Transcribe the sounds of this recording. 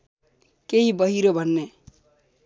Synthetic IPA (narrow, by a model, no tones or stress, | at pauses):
keɦibʌɦiɾobʱʌnːe